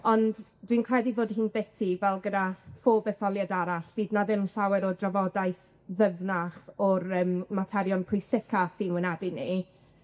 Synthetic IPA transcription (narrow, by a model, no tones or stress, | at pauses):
ɔndd̥winkʰr̥ɛdivoːdhɨːnbɛtʰivɛlˠɡədafoːbɛθɔlˠjadaɾaɬb̥iːdnaðɪnnɬawɛɾɔdravɔdajθ | ðəvnaχɔɾəːmmatʰɛɾjɔnpʰrʊjsɪkʰasinwɪnɛbɪni